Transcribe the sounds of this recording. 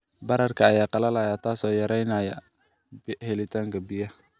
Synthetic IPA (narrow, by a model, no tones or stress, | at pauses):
bɐɾɐrkʰɐːjaːqɑlɐlɐjaːt̪ʰaːsɔːjɐɾɛjnaːjɐ | bhɛlɪt̪ʰaːŋkʰɐbɪjɐ